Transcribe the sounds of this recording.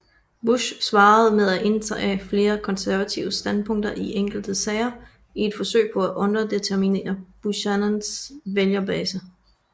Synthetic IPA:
b̥uɕsʋɑ̈ːð̞̩ˠmeð̞ˠæʔe̝nd̥ʁɐʔæfle̝ːɐkʰɒ̽nsæɐʋæt͡sʰiʊəsd̥ænpʰɔ̽ŋ̰d̥ɐʔiʔeŋ̰ɡ̥l̩d̥əsɛɪɐ | ie̝d̥fɒ̽sø̰ɪ̰pʰɒ̽æʔɔ̽nɐd̥e̝t͡sʰeɐmine̝̰ːɐb̥uɕænænsʋeljɐbɛːsə

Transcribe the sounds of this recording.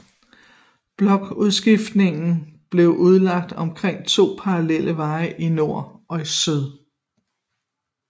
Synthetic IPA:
b̥lɒ̽ɡ̥uð̞ˠsɡ̥ifd̥ne̝ŋn̩b̥le̝ʊʔuð̞ˠlɑ̈ɡ̥̚d̥ɒ̽mkʰʁeŋ̰t͡sʰo̝̰ːpʰɑ̈ʁɑlel̰əʋɑ̈ɪʔino̝ɐ̰ɒ̽isyð̞ˠ

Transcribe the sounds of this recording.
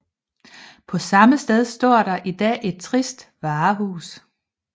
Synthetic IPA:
pʰɒ̽sɑ̈məsd̥eð̞ˠsd̥ɒ̰ɐ̰ɾ̥ɑ̈ʔid̥ɛ̰ːʔe̝d̥̚t͡sʰʁisd̥ʋɑ̈ːɦṵːs

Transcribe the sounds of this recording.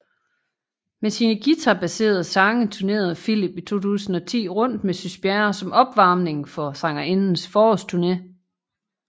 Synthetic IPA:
mesiːnəɡ̥it͡sʰæb̥æse̝̰ːɐð̞̩ˠsɑ̈ŋət͡sʰuɐne̝̰ːɐð̞ˠfilib̥it͡sʰo̝̰ːt͡sʰṵːsn̩ɒ̽t͡sʰḭːʁɔ̽n̰d̥mesysb̥jæɐsɒ̽mʔɒ̽b̥ʋɑ̈ːmne̝ŋfɒ̽sɑ̈ŋɐe̝nn̩sfɒːɒst͡sʰuɐne̝

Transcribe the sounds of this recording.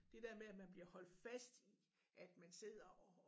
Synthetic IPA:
d̥e̝d̥eɐ̰meæmænb̥liɐ̰hɒ̽l̰d̥fæsd̥i | ʔæd̥mænse̝ð̞̰ˠɐɒ

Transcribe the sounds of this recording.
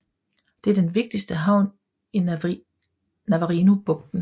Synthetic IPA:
d̥e̝æɐd̥enʋe̝ɡ̥̚d̥isd̥əɦɑ̈ʊn | i | næʋəʁinub̥ɔ̽ɡ̥̚d̥n̩

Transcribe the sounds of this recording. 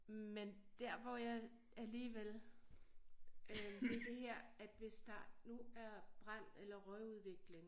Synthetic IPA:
mend̥æɐ̰ʋɒjɑ̈ɪ | æliːʋel | ʋe̝d̥e̝ɦæɐ̰æd̥ʋe̝sd̥ɑ̈nuæɐb̥ʁɑn̰elɐʁœɪuð̞ˠʋe̝ɡ̥le̝ŋ

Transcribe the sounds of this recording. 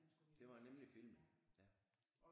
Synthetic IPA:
d̥e̝ʋɑ̈nemlifilmjæ

